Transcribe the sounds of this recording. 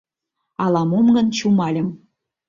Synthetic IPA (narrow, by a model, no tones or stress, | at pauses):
ɑlɑmomɡə̆nt͡ɕumɑlʲə̆m